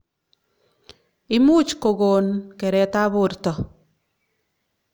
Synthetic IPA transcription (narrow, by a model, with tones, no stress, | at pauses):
ɪ˦mu˦t͡ʃko˨ɡo˨nkɛ˨ɾɛ˨ta˦βʊ˦ɾtɔ˨